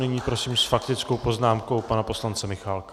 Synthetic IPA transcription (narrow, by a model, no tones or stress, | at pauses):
nɪɲiːpɾo̞siːmsfak̚t̪ɪt͡sko̞wpo̞znaːmko̞wpanapo̞slant͡sɛmɪxalka